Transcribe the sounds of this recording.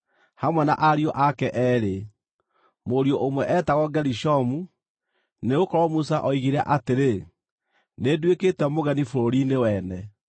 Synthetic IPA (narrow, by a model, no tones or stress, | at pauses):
hamwɛna̰ʔaɾiɔʔakɛʔɛːɾe | moɾioʔomwɛʔɛtaɣɔɡɛɾiʃɔmu | neɣokɔɾɔmusaʔɔiɣiɾa̰ʔateɾe | nedweketwɛmoɣɛnifoɾoɾinewɛːnɛ